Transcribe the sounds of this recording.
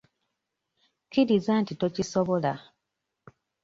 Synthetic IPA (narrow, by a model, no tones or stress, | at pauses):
kiɾizaːntito̞cisoβola